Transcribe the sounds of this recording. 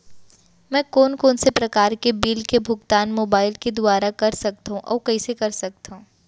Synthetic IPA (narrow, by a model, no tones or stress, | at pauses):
mɛ̃ːkoːnkoːnsepɾɐkaːɾkebiːlkebʱʊɡt̪aːnmoːbaːɪlked̪ʊaːɾakɐɾsɐk̚t̪aɦũʔɔ̰ːkɐisekɐɾsɐk̚t̪aɦũː